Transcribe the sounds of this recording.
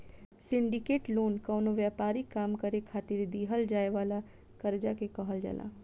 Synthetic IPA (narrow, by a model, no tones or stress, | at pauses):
sɪ̃ɳɖɪkeːʈloːnkɐwnoʋjaːpaːɾikːaːmkɐɾekʰaːt̪ɪɾd̪iːɦəld͡ʒaːeʋaːla | kəɾd͡ʒakekɐɦəld͡ʒa̰la̰ː